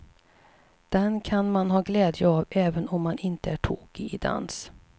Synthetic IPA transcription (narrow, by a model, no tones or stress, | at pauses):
d̪̥ɛnkʰanmanɦɑːɡlɛːd̪jəavɛːvənɔmːanɪnt̪əæʈʰuːɡɪɪd̪a̰ns